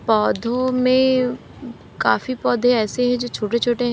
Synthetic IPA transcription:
pɔːd̪ʱõmẽ | kaːfipɔːd̪ʱeɛːseɦɛ̃d͡ʒoːt͡ʃʰoːʈet͡ʃʰoːʈeɦ

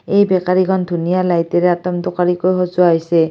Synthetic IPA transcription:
ejbekaɾiɡʰʱɔnd̪ʱunijalajt̪eɾeat̪ɔmd̪ɔkaɾikojɦozuajse

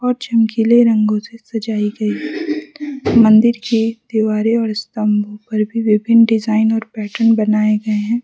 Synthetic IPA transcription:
ɔːɾt͡ʃɐmkiːleɾɐ̃ŋɡõsesɐd͡ʒaːiɡɐiɦɛ | mɐ̃nd̪ɪɾked̪̥ɪʋaːɾeɔːɾɪst̪ɐ̃mbʱõpɐɾbʱiʋɪbʱɪnɖɪzaːɪnɔːɾpɛːʈəɾnbɐnaːeɡɐeɦɛ̃ː

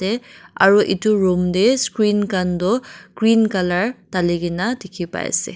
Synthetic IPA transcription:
ɛa̰ɹuʔituɹumdeskɹinkandɔɡ̥ɹinkalaɹtaliɡinadekʰipa̰jsɛ̰

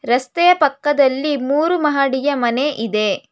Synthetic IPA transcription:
ɾɐst̪ɛjɐpɐkːɐd̪ɐlːimuːɾumɐɦaːɽijɐmɐneʔid̪e̞

